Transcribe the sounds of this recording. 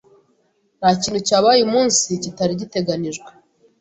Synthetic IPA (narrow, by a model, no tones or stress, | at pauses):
nhaciːnucaːβajumuːnsicitaɾiɟite̞ɡaniʒɡwe